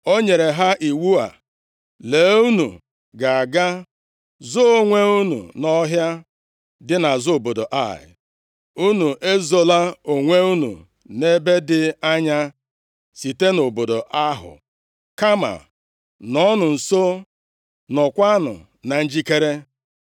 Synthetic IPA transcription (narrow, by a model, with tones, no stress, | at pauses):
o˦ɲe˨ɾe˨ɦa˦ʔi˨wu˦a̰˨ | le˨˦u˦nṵ˨ | ɡa˨a˨ɡa˦ | zo˦o˦ŋʷe˦u˦nṵ˨nɔ˦ɦja˦ | dɪ˦na˨zʊ˦o˨bo˨do˨ʔa̰˦˨ɪ̰˨ | u˦nu˨ʔe˦zo˦la˦o˨ŋʷe˦u˦nṵ˨ | ne˦be˦dɪ˦a˦ɲa˦ | si˨te˦no˨bo˨do˨ʔa˦ɦʊ̰˨ | ka˦ma̰˨ | nɔ˦nʊ˨n̩˨so˦ | nɔ˨kʷa˦nʊ̰˨ | na˨n̩˦d͡ʒi˦ke˦ɾe˦